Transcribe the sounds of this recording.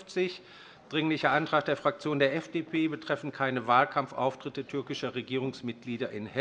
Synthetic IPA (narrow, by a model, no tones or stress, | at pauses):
t͡sɪç | d̥ʁɪŋlɪçɐʔantʁ̥aːχtd̥eːɐfʁ̥ak̚t͡sjoːndeːɐʔɛfd̥eːpʰeːbətʁ̥ɛfn̩kʰaɪnəvaːlkʰamfʔa̰ʊftʁ̥ɪtətʰʏɐkɪʃɐʁeɡiːʁ̞ʊŋsmɪt̚ɡ̥liːdɐʔɪnhɛ